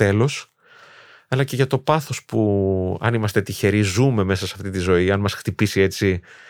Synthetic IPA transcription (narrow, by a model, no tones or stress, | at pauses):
t̪e̞lo̞s | ɐlɐce̞ʝɐt̪o̞pɐθo̞spuɐ̰nimɐst̪e̞t̪içe̞ɾizume̞me̞sɐsɐft̪it̪izo̞iɐnmɐsxt̪ipisie̞t͡si